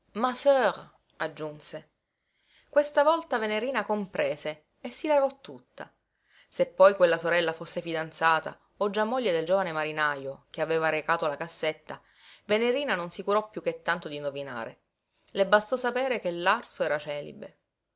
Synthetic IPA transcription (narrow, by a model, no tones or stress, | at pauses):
masøɾ | ad͡ʒːunse | kwest̪avɔlt̪aveneɾiːnakompɾeːseː | sːilaɾɔt̪ːut̪ːa̰ | sepːɔjkwelːasoɾɛlːafosːefid̪ant̪saːt̪a̰ | od͡ʒːamːoʎːed̪eld͡ʒovanemaɾinajok̟eaveːvaɾekaːt̪olakasːet̪ːa | veneɾiːnanonsikuɾɔpːjukːet̪ːant̪od̪ind̪ovina̰ːɾḛ | lebast̪ɔsapeːɾek̟elːarsoɛːɾat͡ʃɛːlḭbe